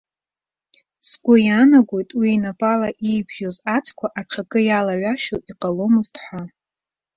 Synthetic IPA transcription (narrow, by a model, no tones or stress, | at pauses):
sɡʷʼʊjanaɡʷo̞jtʼwiːnapʼalaʔijbʒo̞zat͡sʰkʷʰaʔaʈ͡ʂʰakʼɨjalaʕʷaʃowiqʼalo̞mɨztʰħʷa